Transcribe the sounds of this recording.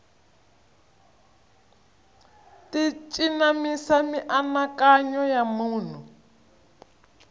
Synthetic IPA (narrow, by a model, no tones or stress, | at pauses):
tit͡ʃʼinamisamiʔanakaɲɔjamuːn̤u